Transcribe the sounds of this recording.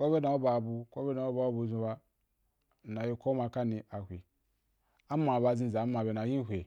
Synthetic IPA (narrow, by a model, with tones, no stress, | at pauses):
kʷo˦be˦da˨o˦ba˨bu˨ko˦be˦na˨o˦ba˨˦o˦bu˨zu˨ba˦˨ | na˨ji˦ko˦ma˨ka˦ni˨ʔa˨hʷe˨ | a˦ma˨ba˨zĩ˦˨za˨˦ma˨be˨na˨jĩ˦ɦʷe˨